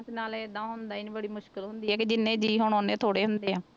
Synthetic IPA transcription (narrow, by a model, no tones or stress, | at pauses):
snaːled̪ãːɦʊnd̪aːinĩbəɽiːmʊʃkəlɦʊnd̪iːɦɛːkɪd͡ʒɪnːẽːd͡ʒiːɦoɳ̃oːnẽːt̪ʰoːɽeːɦʊnd̪eːɦãː